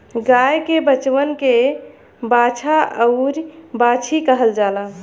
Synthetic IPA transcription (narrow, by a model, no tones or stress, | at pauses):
ɡajkebət͡ʃwənke | bat͡ʃʰaəʊɾbat͡ʃʰikəɦəld͡ʒala